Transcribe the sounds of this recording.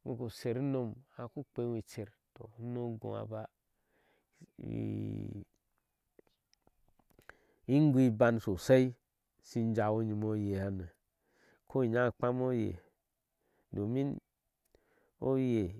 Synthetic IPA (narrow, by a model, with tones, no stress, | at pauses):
wḭ˨ko˨se˨ɾi˦no˧ma˨ku˦k͡pe˦wi˨t͡ʃe˨ɾ | to˨˦no˦ɡõ̰˨a̰˨ba˦˨ | i˦ŋ˦ɡʷi˦ba˧nso˨se˦i˦ | si˧n˦d͡ʒa˨wo˦ɲi˨mo˦je˨a˨ne˨ | kʰo˦i˨ɲa˦˨k͡pa˦mo˦jḛ˨ | do˨mi˦n | o˦je˨